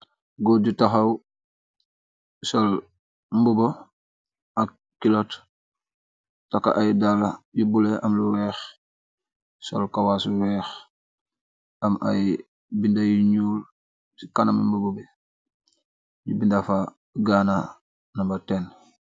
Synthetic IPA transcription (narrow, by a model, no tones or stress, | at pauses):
ɡoɟutaxaw | sol | mbubo | a | kilot | taka̰ʔajdalaɟubuleamluwɛːx | so̰lkawasuwɛːx | ama̰j | bindajiɲuːl | sikanamimbubube | ɟubindafa | ɡana | nambaten